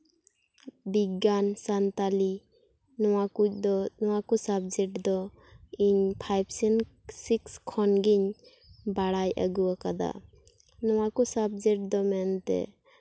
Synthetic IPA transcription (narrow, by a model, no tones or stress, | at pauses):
biɡansant̪ali | nɔwaud̪ɔnɔwakusab̚d͡ʒɛʈd̪ɔ | iɲpʰajbsɛn | sikskʰɔnɡiɲ | baɽajʔə̰ɡuakad̪a̰ | nɔwakusab̚d͡ʒɛʈ̚d̪ɔmɛnt̪ɛ̰